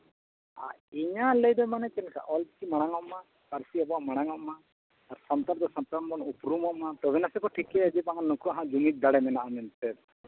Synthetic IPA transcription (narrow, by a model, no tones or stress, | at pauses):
a̰ | iɲaləjd̪ɔmanɛkɛnka̰ʔɔl̚kimaɽ̃aŋɔmːa | kaɾsiabɔwamɐɽ̃aŋɔmːaː | ɾsɐnt̪aɾd̪ɔsɐnp̪anbɔnupɾumɔmːat̪ɔbɛnasɛkɔʈʰiklɛad͡ʒipaŋanukuaɦãd͡ʒumit̪̚d̪aɽɛmɛnaʔamɛnt̪ɛt̪